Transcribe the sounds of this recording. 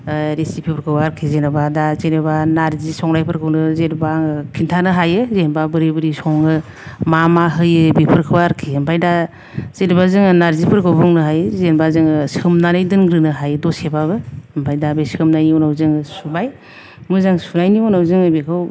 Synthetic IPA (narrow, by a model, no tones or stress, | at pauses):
ɾesipʰipʰɾkʰɯwaɾkʰizenɯbadazenebanaɾzisɔŋnajpʰɯɾkʰɯnɯzedbaŋɯkʰintʰanɯɦajɯzenbabɯɾebɯɾisɔŋɯ | mamaɦɯjɯbipʰɯɾkʰɯwaɾkʰiɯmpʰajda | z̥eɾbazɯŋɯnaɾzipʰɯɾkʰɯwbɔŋnɯɦajzenbazɯŋɯsɯmnanɯjdɯnɡɾɯnɯɦajɯdɔsebabɯmpʰajdabesɯmnajniɔnawzɯŋɯsubaj | mɯzaŋsuɾajniɔnawzɯŋɯbekʰɯw